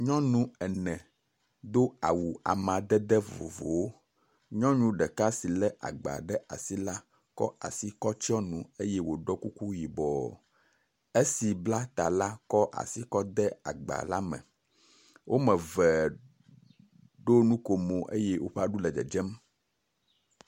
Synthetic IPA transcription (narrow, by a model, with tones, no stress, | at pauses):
ɲɔ̃˦nũ˦ɛ˨nɛ̃˨ | d̪o˦a˨wu˨a̰˨mã˨d̪ɛ˦d̪ɛ˦vo̰˨vo̰˨wo˦ | ɲɔ̃˦ɲũ˦ɖɛ˨ka˦si˨lɛ˦ʔa̰˨ɡ͡ba̰˨ɖɛ˦a̰˨si˦la˦ | kɔ̰˦a̰˨si˦kɔ˦t͡ɕi˦ɔ˦nũ˨e˦jɛ˦wo˨ɖɔ˦ku˦ku˦ji˨bɔ˨ | e˦si˨bla˦t̪a˨la˦kɔ˦ʔa̰˨si˦kɔ˦d̪ɛ˦a̰˨ɡ͡ba̰˨la˦mɛ̰̃˨ | wʔo˦mɛ̃˨vɛ˨ | ɖo˦nũ˦ko˨mo˨ʔḛ˦je˦wʔo˦ɸɛ˦a˦ɖu˦lɛ˨d͡ʒɛ̰˨d͡ʒɛ˦m